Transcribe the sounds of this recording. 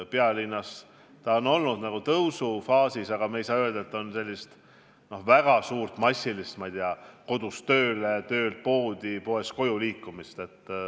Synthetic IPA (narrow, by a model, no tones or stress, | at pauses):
peɑlinːɑs | t̪ɑo̞no̞lnud̪̥nɑɡ̥ut̪ɤwsufɑːsisɑɡ̥ɑmeejsɑːø̞ld̪̥ɑet̪ːo̞nse̞lʲːist̪ | no̞hvæɡ̥ɑsuːrt̪mɑsʲːilist̪mɑijd̪eɑko̞d̪̥ust̪ø̞ːlet̪ø̞ːlt̪̚po̞ːd̪̥ipo̞e̞sko̞juliːkːumist̪e̞t̪ːˑ